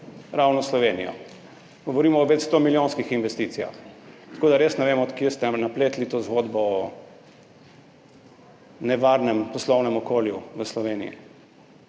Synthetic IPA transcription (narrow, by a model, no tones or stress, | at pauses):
ɾawnɔslɔʋeːnḭjɔ̰ | ɡ̥ɔʋɔɾiːmɔːʋɛt͡ʃst̪omiljoːnskixinʋɛst̪it̪sija̰xt̪ḁkoːd̪aɾeːsnɛʋeːmɔːt̪kjest̪ɛnapleːt̪lit̪ozɡod̪bɔɔ | nɛʋaːɾnɛmpɔslɔwnɛmɔkoːljuʋəslɔʋeːnḭjḭ